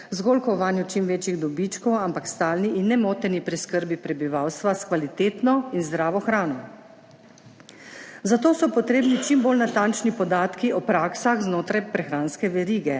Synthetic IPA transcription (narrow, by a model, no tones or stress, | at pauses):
zɡoːlkɔʋaːnjut͡ʃimʋeːt͡ʃjiɣd̪ɔbit͡ʃkɔwampakst̪aːlniʔinːɛmoːt̪ɛnipɾiskəɾbipɾɛbiʋaːwst̪ʋaskʋalit̪eːt̪nɔinzd̪ɾaːʋɔxɾaːnɔ | zat̪oːsɔpɔt̪ɾeːbnit͡ʃimboːlnat̪ant͡ʃnipɔd̪aːt̪kiʔɔpɾaːksaxznoːt̪ɾajpɾɛxɾaːnskɛʋɛɾiːɡɛ